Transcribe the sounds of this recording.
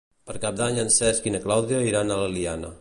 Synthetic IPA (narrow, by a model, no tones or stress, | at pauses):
pəɾkap̚d̪aɲənsɛskinəklawðjoiɾanaləlianə̰